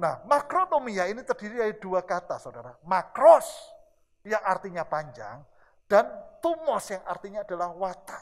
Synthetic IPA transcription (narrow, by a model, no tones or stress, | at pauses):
nahmakɾonomiainit̪ərd̥iɾiaiduakat̪asaudaɾamakɾɔs | jaŋart̪iɲapaɲd͡ʒa̰ŋ | d̥ant̪umɔsjaŋa̰rt̪iɲaːd̥alahwat̪a